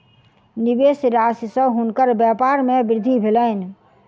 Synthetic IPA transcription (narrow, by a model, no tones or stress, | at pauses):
nibesɾassə̃ɦunkəɾbjɛpaɾmẽbɪɾd̪ʱibʱeləɪn